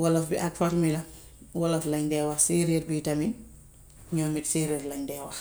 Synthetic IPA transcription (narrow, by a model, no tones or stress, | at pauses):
wɐlɐfbiʔɐkfɔɾmilɐ | wɐlɐflɐɲdɛːwɐxsiːɾeɾbiːtɐmin | ɲɔmitsiːɾirlɐɲdɛwɐx